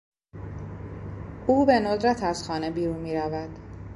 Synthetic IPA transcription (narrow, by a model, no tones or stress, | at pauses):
ʔuːbe̞nod̪ɾæt̪ʰæz̥xɒːnebiːɾunmiːɾævæd̪̥